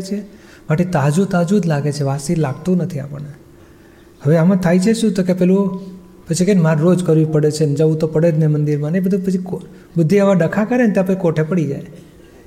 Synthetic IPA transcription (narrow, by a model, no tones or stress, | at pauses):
t͡ʃʰe | maʈit̪ad͡ʒũt̪ad͡ʒud͡ʒ̪laɡet͡ʃʰeʋasiɾlaɡ̚t̪ũnət̪ʰia̰pəɳne | ɦəʋeamãt̪ʰajt͡ʃʰeʃũt̪okepɛlũ | pət͡ʃʰikenmaɾːod͡ʒkəɾʋipəɽet͡ʃʰenəd͡ʒaʋũt̪opəɽed͡ʒnemənd̪iɾmãnəjbəd̪ʱupət͡ʃʰik | bəd̪ʱːiaʋaɖəkʰakəɾent̪japət͡ʃikoʈʰepəɽid͡ʒa̰j